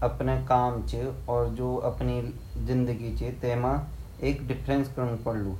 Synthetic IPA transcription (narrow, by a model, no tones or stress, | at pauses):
əpneːkaːmt͡ʃəɔːɾd͡ʒoːəpni | zɪ̃nd̪əɡiːt͡ʃət̪eːmãː | eːkɖɪpʰɾenskəɾnupəɽluː